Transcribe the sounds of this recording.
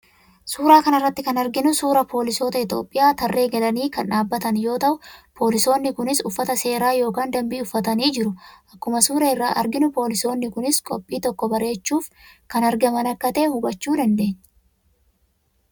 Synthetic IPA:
suːɾaːkɐnɐrːɐt̪ːɪkɐnɐɾɡɪnʊsuːɾɐpʰo̞ːlɪso̞ːt̪ɐɪt̪o̞̰ːpʼːɪjaːt̪ɐrːe̞ːɡɐlɐniːkɐnaːbːɐt̪ɐnjo̞ːt̪ɐʔʊpʰo̞ːlɪso̞ːnːɪkʊnɪsʊfːɐt̪ɐse̞ːɾaːjo̞ːkaːnd̪ɐmbiːʊfːɐt̪ɐniːd͡ʒɪɾʊʔɐkːʊmɐsuːɾɐɪrːaːʔɐ̰ɾɡɪnʊpo̞ːlɪso̞ːnːɪkʊnɪskʼɔpʼːiːt̪ɔkːɔbɐɾe̞ːt͡ʃːuːfkɐnɐɾɡɐmɐnɐkːɐt̪e̞ːhʊbɐt͡ʃːuːd̪ɐnd̪e̞ːɲː

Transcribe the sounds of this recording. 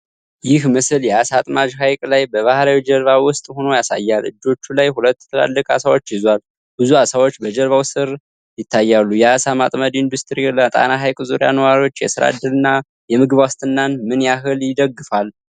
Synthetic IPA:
jɪhmɨsɨljɛasat̪ʼmad͡ʒɦajkʼlajbəβahɾawid͡ʒəlβawʊst̪ʼho̞nojasa̰jːalʔɨ̰d͡ʒːo̞t͡ʃːulajhulət̪ːjɛt̪ʰəla̰lːəkʼa̰sawo̞t͡ʃːjɪzwal | bɨzuasawo̞t͡ʃːbəd͡ʒəlβawsɨɾ | jɪt̪ʰːajːalːujɛasamat̪ʼməd̪ind̪ust̪ʰɾiɛlːt̪ʼa̰naɦajkʼɨzuɾija̰nəwaɾiwo̞t͡ʃːjɛ̰sɨɾa̰d̪ːɨlɨnːa | jɛmɨɡɨβast̪ʰɨnːanmɨnjaɦɨljɪd̪əɡːɨfal

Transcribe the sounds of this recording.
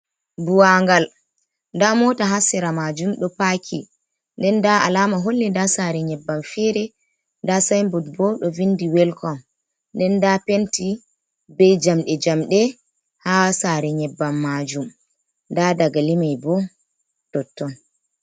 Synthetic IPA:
buwaŋɡal | ndamɔtaɦasiɾamad͡ʒumɗɔpakʰḭ | ndɛndaa̰laːmaɦolːidasaɾɛɲɛbːamfɛɾɛ | ndasajmbudbɔɗɔvindiwɛlkʰɔm | ndɛndapenti | bɛjd͡ʒamɗɛd͡ʒamɗɛ | hasaɾɛɲɛbːamːad͡ʒum | ndadaɡalimajbɔ | tɔtːɔn

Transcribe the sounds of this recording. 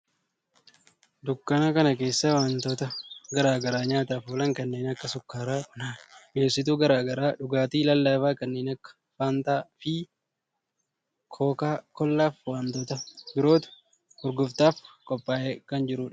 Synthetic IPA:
d̪ʊkːɐnakɐnɐke̞ːsːɐwaːnt̪oːt̪ɐɡɐɾaːɡɐɾaːɲaːt̪aːfuːlɐŋkɐnːe̞ːnɐkːɐsʊkːaːɾaːkʊnaːmeːsɪt̪̬uːɡɐɾaːɡɐɾaːᶑʊɡaːt̪iːlɐlːaːfaːkɐnːe̞ːnɐkːɐ̥ | faːnt̪aːfɪ | kʰoːkaːkɔlːaːfwaːnt̪oːt̪ɐbɪɾo̞ːt̪ʊ̥ | ʊɾɡʊft̪aːfkʼɔpʼːaːʔekɐnd͡ʒɪɾʊːᶑɐ̥

